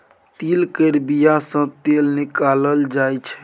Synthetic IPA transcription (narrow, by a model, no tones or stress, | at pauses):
t̪ilkəɾbijasə̃t̪elnikaləld͡ʒajt͡ʃʰɛ̥